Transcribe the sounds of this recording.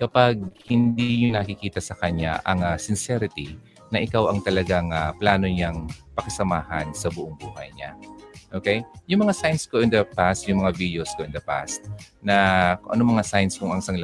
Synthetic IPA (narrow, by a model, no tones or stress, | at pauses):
kɐpaɡ̚hɪnd̪ijʊŋnɐkɪkiːt̪ɐsɐkɐɲːa̰ʔɐ̰ŋasɪnsɛɾɪt̪i | nɐʔɪkawɐŋt̪ɐlɐɡaŋaplaːno̞ɲaŋpɐkɐsɐmaːhɐnsɐbʊʔoŋbuːhɐ̰jɲa̰ʔoːkɛjjʊŋmɐŋasajnskoʔɪnd̪ɐpast̪̚jʊŋmɐŋavid̪joskoʔɪnd̪ɐpa̰st̪̚nɐkoŋʔɐ̰nomɐŋasajnskʊŋɐŋsaŋlɐ